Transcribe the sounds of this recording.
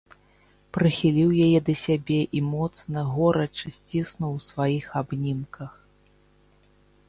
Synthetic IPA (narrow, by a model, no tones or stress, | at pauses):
pɾɨxʲilʲiwjajɛd̪ɐsʲabʲɛʔimɔt̪snɐɣɔɾɐt͡ʂɨsʲt͡sʲisnuwsvajixabnʲimkɐx